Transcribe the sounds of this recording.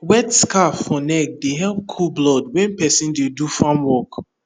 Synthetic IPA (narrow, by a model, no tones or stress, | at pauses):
wɛtskafːɔnɛk̚deɦɛlp̚kʰulblɔd̚wɛ̃npɛsĩndedufãmwɔk